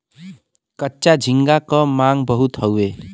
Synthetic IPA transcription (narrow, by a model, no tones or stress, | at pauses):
kʌtːt͡ʃad͡ʒʱiŋɡakʌmaŋbəɦut̪ɦʌwe